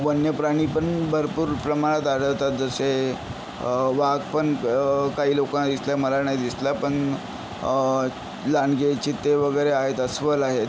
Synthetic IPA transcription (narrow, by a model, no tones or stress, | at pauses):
bənjəpɾaɽ̃iːpəɳbʱəɾpuːɾpɾəmaɽ̃ət̪aɽəwt̪at̪̚d͡zəse | ʋaɡpəɳkaɦiːlokãnd̪islaməlanajd̪islapəɳ | lanɡet͡ɕit̪ːeʋəɡəjɾeaɦet̪əsʋəlaɦet̪